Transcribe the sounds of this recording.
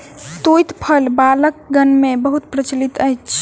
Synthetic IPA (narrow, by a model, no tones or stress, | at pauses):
t̪ojt̪pʰəlbalək̚ɡənmebəɦut̪̚pɾət͡ʃlit̪əjt͡ʃʰ